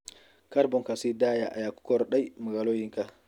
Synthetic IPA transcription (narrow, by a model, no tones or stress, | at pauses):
kaɾbɔŋkasidaːjaʔa̰jaku̥kɔɾɗajmuɡaloːjiŋka